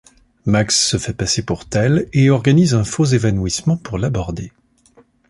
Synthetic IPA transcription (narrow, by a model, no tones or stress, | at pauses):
maksːəfɛpasepuʁt̪ɛleɔʁɡanizɛ̃fozevanwismɑ̃puʁlabɔʁd̪e